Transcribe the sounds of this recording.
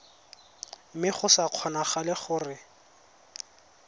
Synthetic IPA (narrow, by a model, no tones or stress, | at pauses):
mɪχʊsaq͡χʰɔnaχalɪχʊːrɪ